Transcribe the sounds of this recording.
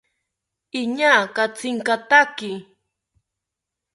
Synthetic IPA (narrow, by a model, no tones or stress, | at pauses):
ɪɲaːkat͡sɪŋkat̪akɪ